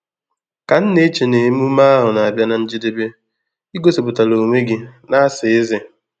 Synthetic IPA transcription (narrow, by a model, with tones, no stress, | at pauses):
ka˨n̩˦ne˦t͡ʃe˨ne˨˦mu˦ma˦a˦ɦʊ˨na˨a˨bja˦na˨n̩˦d͡ʒi˦de˦be˦ | i˦ɡo˦si˨pʊ˨ta˨lo˨ŋʷe˦ɡɪ˦na˦a˦sɪ˨ɪ˦ze˦